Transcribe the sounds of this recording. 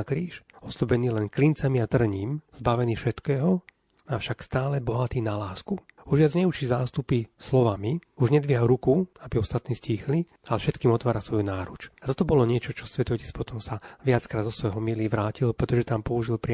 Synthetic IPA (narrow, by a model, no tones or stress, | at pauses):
kɾiːʃɔslubɛniːlɛnklint͡samiat̪r̩ɲiːmz̥baʋɛniːfʃɛt̪kɛːɦɔ | afʃakst̪aːlɛbɔɦat̪iːnalaːsku | uʒʋɪad͡zɲɛut͡ʃizaːst̪upislɔʋamiuʒɲɛd̪ʋɪɦaɾukuabiɔst̪at̪niːsciːxli | alɛfʃɛt̪kiːmɔt̪ʋaːɾasʋɔjunaːɾut͡ʃat̪ɔt̪ɔbɔlɔɲɪɛt͡ʃɔt͡ʃɔsʋɛt̪ɔcispɔt̪ɔmsaʋɪat͡skɾaːd̪zɔsʋɔjɦɔmiliːʋɾaːcilpɾɛt̪ɔʒɛt̪aːmpɔuʒilpɾɪ